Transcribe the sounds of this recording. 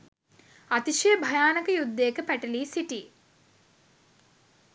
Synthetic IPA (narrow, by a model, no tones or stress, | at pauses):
at̪iʃijəbʱɐjaːnɐkəjud̪ːekəpæʈɐliːsiʈi